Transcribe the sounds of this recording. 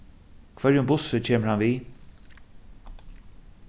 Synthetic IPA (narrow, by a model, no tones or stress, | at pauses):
kʰvœɾjʊmbʊsət͡ɕʰeːməɹhanviː